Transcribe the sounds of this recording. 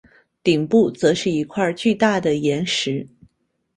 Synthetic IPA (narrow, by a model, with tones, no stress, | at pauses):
t̪i˨˩ŋpu˥˩t͡sɤ˧˥ʂɻ̩˥˩i˧˥kʰwa˥˧t͡ɕy˥˧t̪a˥˩d̪ə˩jɛ˧˥nʂɻ̩˧˥